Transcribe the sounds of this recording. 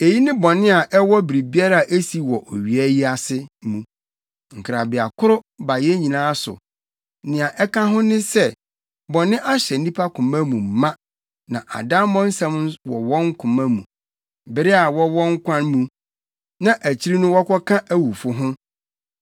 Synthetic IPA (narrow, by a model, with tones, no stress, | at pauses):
e˨ji˦nɪ̃˦bɔ̃˨nɪ̃˦a˨ʔɛ˦wɔ˦bi˨ɾi˨bi˦a˦ɾa˦˨a˨ʔe˦si˨˦wɔ˨ʔo˨ɥi˨æ˦ji˦a˨sɪ˦mũ˨ | ŋ̩˨kʰɪ˨ɾa˨bɪ˨a˨kʰʊ˦ɾʊ˦ba˨jɛ˦ɲĩ˨nãː˦sʊ̰˨ | nɪ̃˨a˨ʔɛ˦kã˦ɦʊ̃˦nɪ̃˦sɛ˦ | bɔ̃˨nɪ̃˦ʔa˦ɕɛ˨n̩˦nĩ˦pʰa˦kʰʊ̃˨mã˦mũ˨mã˦ | nã˨ʔa̰˨dã˦m˦mɔ̃˦n̩˦sã˦m˦wɔ˨wɔ̃˦ŋ̩˦kʰʊ̃˨mã˦mũ˨ | bɪ˨ɾɪ˦a˨wɔ˦wɔ̃˦ŋ˦kʷʰã˦nmũ˨ | nã˨ʔæ˨t͡ɕʰi˦ɾi˦nʊ̃˦wɔ˦kʰɔ˦kʰã˦ʔæ˦wu˨fʊ˦ɦʊ̃˦